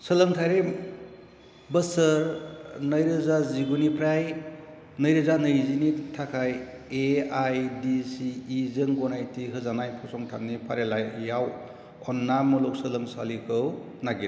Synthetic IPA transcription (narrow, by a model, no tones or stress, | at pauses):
səlɯŋtʰajɾem | bəsəɾnəjɾɯzaziɡunipʰɾaj | nɯjɾɯzanɯjzinitʰakʰaj | eajdisiːzɯŋɡɔnajtʰiɦɯzanajpʰɔsɔŋtʰanːipʰaɾelajjaw | ɔnːamɯlɔk̚sɯlɯŋsalikʰɯw | naɡi